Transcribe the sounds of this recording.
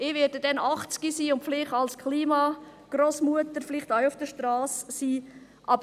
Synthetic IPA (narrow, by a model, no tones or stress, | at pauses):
ɪːʋɛːdədɛnɑχt͡sɡ̥isiːʊntflɪχɑlskʰliːmɑ | ɡ̥roːsmuətəɾflɪχtaʊʊfd̥əʃtɾɑːsːiː | ʔɑbə